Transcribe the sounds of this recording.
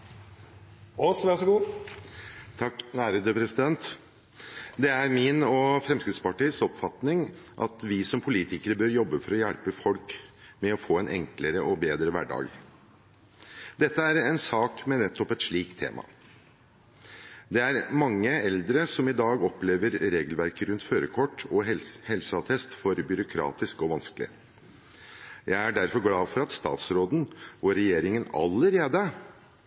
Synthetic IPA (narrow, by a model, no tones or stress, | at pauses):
ɔsʋæsɔɡuː | t̪ʰɑkːnæːɾəd̪əpʰɾɛsɪd̪ɛnt̪ | d̪ɛæɾmɪnɔfɾɛmskɾɪt̪spɑʈiəsɔpfɑt̪nɪŋʔɑ̰t̪ʋɪsɔmpʰʊliːt̪ɪkəɾəbøːɾjɔbːəfɔɾɔjæɽpəfɔlkmɛɔfoːɛnʔɛ̰ŋkləɾəʔɔbeːd̪ɾəʋæ̰ɖɑ̰ːɡ | d̪ɛt̪ːəæɾɛnsɑːkmɛnɛt̪ːɔpɛt̪ʂɭiːkt̪ʰːḛːmʔɑ̰ | d̪ɛæɾmɑŋːəɛld̪ɾəsɔmɪd̪ɑːɡɔpleːʋəɾɾeːɡəlʋæɾkəɾʉnt̪føːɾəkʰɔʈːɔhɛlsəɑt̪ʰɛst̪fɔɾbʏɾʊkʰɾɑ̰ːt̪ɪskɔʋɑnskəlɪ̰ | jæɪæɖæɾfɔɾɡlɑːfɔɾɑt̪st̪ɑ̰ːt̪sɾoːd̪n̩ʋɔɾɛjeːɾɪŋənɑ̰lːəɾeːd̪ə